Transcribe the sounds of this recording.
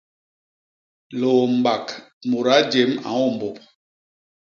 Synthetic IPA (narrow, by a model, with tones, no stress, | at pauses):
lo˨m˨ba˨kmo˨ɾa˨˦d͡ʒe˨˦ma̰˨wɔ˦˨m˨bɔ˨p̚